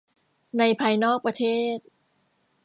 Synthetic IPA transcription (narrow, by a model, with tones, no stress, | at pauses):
na˧jpʰaː˧jnɔː˥˩k̚pɾa˧t̪ʰeː˥˩t̪̚